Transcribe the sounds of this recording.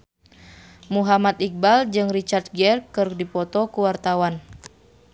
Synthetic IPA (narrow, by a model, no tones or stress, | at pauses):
muɦamat̪ik̚bald͡ʒɨŋrit͡ʃart̪̚ɡɛrkɨrdipɔt̪ɔkuwart̪awan